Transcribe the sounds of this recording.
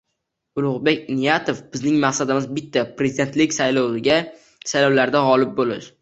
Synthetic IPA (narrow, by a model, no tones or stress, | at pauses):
ʊlˠʊʁbekʲnijat̪ʰofb̥ɪznɪŋmaχsad̪ɪmɪzbɪt̪ʰːapɾezɪd̪e̞nt̪lɪkʲsajlɒwɪɡʲa | sajlɒwlaɾd̪aʁɒlɪp̚bolɪ̰ʃ